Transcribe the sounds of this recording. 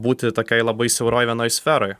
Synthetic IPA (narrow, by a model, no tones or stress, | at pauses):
buːt̪ʲɪt̪oːkʲɛɪlˠɐbɐɪsʲɛʊɾoːjʋʲiɛnoːjsʲfʲɛːɾoj